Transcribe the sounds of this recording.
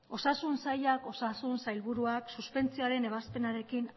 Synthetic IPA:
o̞sasunsajʎako̞sasunsajlβuɾuaksuspe̞nt͡sioaɾe̞ne̞β̞aspe̞naɾe̞kin

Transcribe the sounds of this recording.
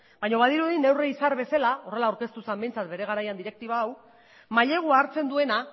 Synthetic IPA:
bajɲo̞β̞aðiɾuðine̞wreisaɾβe̞salao̞re̞lawɾke̞st̪usambe̞jnt͡sat̪be̞ɾe̞ɣ̞aɾajand̪iɾe̞k̚t̪iβ̞aːw | maʎe̞ɣ̞uaːɾt͡se̞nd̪ue̞na

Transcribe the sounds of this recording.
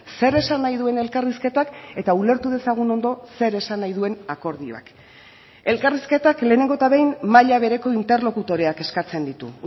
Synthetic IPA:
se̞ɾe̞sanːajðue̞ne̞lkariske̞t̪ake̞t̪aule̞ɾt̪uð̞e̞saɣ̞uno̞nd̪o̞se̞ɾe̞sanːajðue̞nako̞ɾðio̞̰a̰k | e̞lkariske̞t̪akle̞ːneŋɡo̞t̪aβejnmaʎaβe̞ɾe̞ko̞int̪e̞rlo̞kut̪o̞ɾeake̞skat͡se̞nd̪it̪ṵ

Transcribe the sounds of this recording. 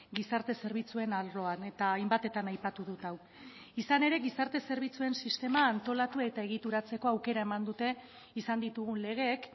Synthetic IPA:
ɡisaɾt̪e̞se̞ɾβ̞it͡sue̞nalɾo̞ane̞t̪aːjmbat̪e̞t̪anajpat̪uðut̪aw | isane̞ɾe̞ɣisaɾt̪e̞se̞ɾβ̞it͡sue̞nsist̪e̞maːnt̪o̞lat̪uet̪ae̞ɣ̞it̪uɾat͡se̞ko̞awke̞ɾae̞mand̪ut̪e̞ | isand̪it̪uɣ̞unle̞ɣ̞e̞k

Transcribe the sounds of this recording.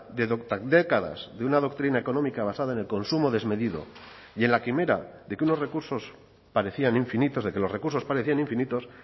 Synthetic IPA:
d̪eðod̪ad̪e̞kaða̰zðeunaðo̞kt̪ɾinae̞ko̞no̞mikaβ̞asaðae̞ne̞lko̞nsumo̞ðe̞zme̞ðiðo̞̰ | je̞nlakime̞ɾa̰ðe̞keuno̞sre̞kuɾso̞s | paɾe̞θianiɱfinit̪o̞zðe̞ke̞lo̞re̞kuɾso̞spaɾeθianĩɱfinit̪o̞s

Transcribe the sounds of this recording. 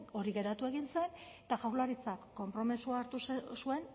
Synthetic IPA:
o̞ɾiɣe̞ɾat̪ue̞ɣinse̞nt̪axawɾlaɾit͡sakːo̞mpɾo̞misuaːɾt̪ussue̞n

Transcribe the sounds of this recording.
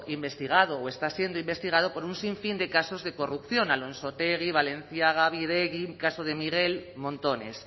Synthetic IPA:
imbe̞st̪iɣ̞að̞ooest̪asje̞nd̪oimbe̞st̪iɣ̞aðopoɾunsiɱfind̪e̞kasozðe̞ko̞rupθjo̞nalõnsot̪eɣ̞iβ̞alẽ̞n̟θjaɣaβiɾeɣikasoð̞e̞miɣe̞lmõnt̪o̞nḛs

